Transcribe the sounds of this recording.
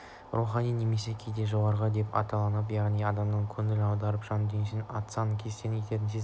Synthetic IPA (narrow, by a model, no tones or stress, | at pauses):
ruχɑnijne̞me̞se̞kʲʰejd̪e̞ʒo̞ʁɑɾʁɑd̪e̞pɑ̰t̪ɑlˠɑnəp̬jɑʁnijɑd̪ɑmnəɴkʲʰɵŋɪlɑwd̪ɑɾəpʒ̥ɑnd̪enʃɪnɑ̰t̪sɑnəkʲʰezt̪enkʰʲet̪e̞ɾɪnsez